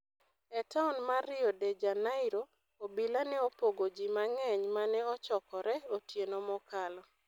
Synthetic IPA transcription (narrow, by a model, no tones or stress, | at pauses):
ɛtaɔnmaɾɪɔded͡ʒanaɪɾo | obilanɛopoɡod͡ʒimaŋɛɲmanɛɔt͡ʃɔkɔɾɛotjenomɔkalɔ